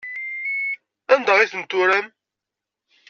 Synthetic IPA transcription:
ænd̪ɑʁiθənt̪ːʊɾæm

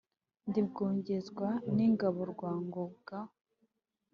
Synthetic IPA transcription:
ndib̚ɡoːɲɟezɡwaniŋɡaβoɾɡwaːŋɡobɡ̥a

